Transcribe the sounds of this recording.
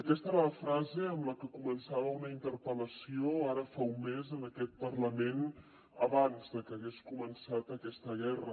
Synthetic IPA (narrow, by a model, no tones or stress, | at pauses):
əkɛst̪əeɾaləfɾazeəmləkəkumənsaβəunəint̪əɾpələsioaɾəfaumːezənəkɛt̪̚pərləmen | əβanzðəkəːɣeskumənsat̪əkɛst̪əɣ̞ɛrə̰